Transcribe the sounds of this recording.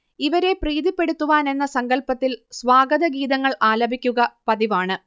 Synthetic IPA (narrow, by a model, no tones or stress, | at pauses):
iʋɐɾe̞priːðipːe̞ɽut̪ːuʋaːne̞nːɐsɐŋɡɐɭpɐt̪ːilsʋaːɡɐðɐɡiːðɐŋːɐɭaːlɐbʱikʲːuɣɐpɐðiʋaːɳɨ